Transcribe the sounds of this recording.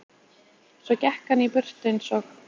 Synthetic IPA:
svɔcɛhkanipʏr̥t̪ɪnsɔx

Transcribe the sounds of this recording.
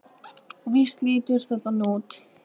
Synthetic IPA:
vist̪liːt̪ʏɾ̥θɛt̪anuːt̪

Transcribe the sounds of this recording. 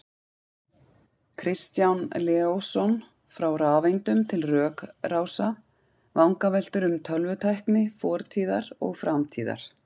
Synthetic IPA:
kʰɾɪst̪janlɛːowsɔn | fɾawraːvejnt̪ʏmt̪ʰɪlrœːkrawsa | vawŋkavɛl̥t̪ʏɾʏmt̪ʰœlvʏt̪ʰajhknɪfɔːɾt̪ʰiːðaɾɔ̰ɣfɾamt̪ʰiːða̰ɾ̥

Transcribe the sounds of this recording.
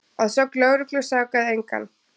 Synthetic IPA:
aðsɔklœwɾʏklʏ̥saːkaðɪejŋka̰n

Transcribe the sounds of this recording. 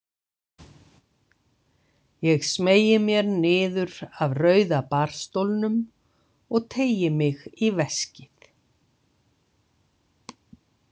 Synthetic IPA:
jɛɣsmeːjɪmjɛɾnɪːðʏɾavrœːɥðapar̥st̪owlnʏm | ɔɣt̪ʰeːjɪmɪɣivɛscɪθ

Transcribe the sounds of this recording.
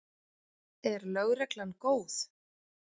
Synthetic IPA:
ɛɾlœɣrɛklankoːwθ

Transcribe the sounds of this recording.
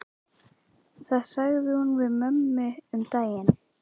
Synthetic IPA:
θaðsaɣðɪhunvɪðmœmːʏʏmt̪aːjɪn

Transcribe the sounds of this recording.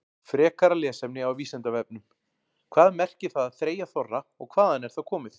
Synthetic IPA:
fɾɛːkaɾalɛːsɛmnɪawviːsɛnt̪avɛp̚nʏm | kʰvaːðmɛr̥cɪθaðaðθɾeːjaθɔrːaɔɣkʰvaːðanɛɾ̥θaðkʰɔːmɪθ

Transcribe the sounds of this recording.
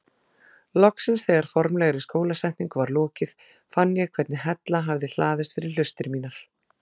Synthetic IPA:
lɔksɪnsθɛːɣaɾ̥fɔɾmlɛːɣaɾɪskoːwlasɛjhpniŋkʏvaɾlɔːcɪð | fanːjɛɣkʰvɛɾt̪nɪɦɛt̪laɦavðɪl̥aːðɪst̪fɪɾɪɾ̥l̥ʏst̪ɪɾmiːnaɾ̥

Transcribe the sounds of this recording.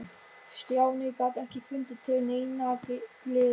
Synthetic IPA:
st̪jaːwnɪkaːt̪ɛhcɪfʏnt̪ɪt̪ʰɪlnejna | lɪ

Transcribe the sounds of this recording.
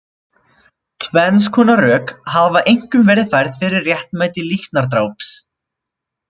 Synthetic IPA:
kʰvɛnskʰɔːnarœːkhavaʔejŋ̥kʏmvɛːɾɪðθajɾðfɪɾɪrːjɛht̪nmajt̪ɪliht̪naɾ̥t̪̬ɾaːwps

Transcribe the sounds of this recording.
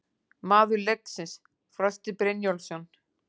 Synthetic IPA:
maːðʏɾlek̚nsɪns | fɾœst̪ɪpɾenjɔlsɔn

